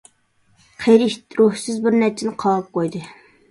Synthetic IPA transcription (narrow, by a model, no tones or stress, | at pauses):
qʰejɾiʃt̪ɾuhsɪzbɪɾnɛɾt͡ʃʰɪnɪqʰɑːp̚qʰojd̪ɨ